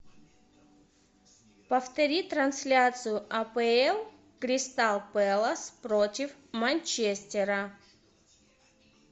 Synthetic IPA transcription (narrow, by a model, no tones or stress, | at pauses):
pɐft̪ɐɾʲit̪ɾɐnsʲlʲat̪sɨjʊʔɐpɛɛlˠ | kɾʲɪst̪alˠpɛlˠəspɾotʲɪfmanʲt͡ʃesʲt̪ʲeɾə